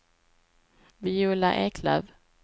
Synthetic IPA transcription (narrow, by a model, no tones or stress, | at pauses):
viuːla̰ʔeːkʰla̰v